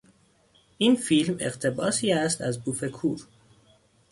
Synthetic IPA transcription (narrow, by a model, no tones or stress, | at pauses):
ʔiːnfilme̞̰ɣt̪ʰe̞bɒːsiːæst̪æzbuːfe̞kʰuːɾ